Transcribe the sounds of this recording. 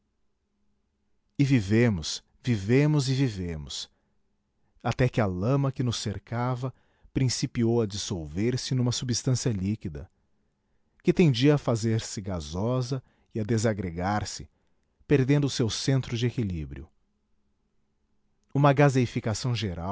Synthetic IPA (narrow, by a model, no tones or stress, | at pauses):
ɪvivẽmʊs | vivẽmʊzɪvivẽmʊs | at̪ɛkɪɐlɐ̃mɐkɪnʊseɾkavɐ | pɾĩsipiowɐd͡ʒisowveɾsɪnũmɐsubist̪ɐ̃siɐlikid̪ɐ̰ | kɪt̪ẽnd͡ʒiɐːfazeɾsɪɡazɔzɐ | ɪad̪ezaɡɾeɡaɾsɪ̥ | peɾd̪ẽnd̪ʊsewsẽnt̪ɾʊd͡ʒɪekilḭbɾḭʊ̰ | ũmɐɡazeifikasɐ̃w̃ʒeɾa̰